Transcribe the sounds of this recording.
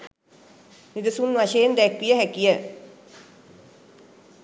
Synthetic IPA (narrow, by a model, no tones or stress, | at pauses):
nid̪əsunʋaʃeːnd̪ɛkʋijəɦækijə